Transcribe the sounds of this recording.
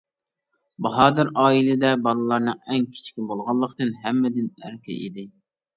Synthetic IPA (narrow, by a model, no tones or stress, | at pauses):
bɑɦɑːd̪ɨɾɑːilɪd̪ɛbɑlˠɨlˠɑɾnɨŋɛŋkʲʰi̥t͡ʃʰkʲibolˠʁɑlˠːəqt̪ɨnɦɛmːɪd̪ɪnæ̰ɾkʲʰɛ̰ʔḭd̪ɪ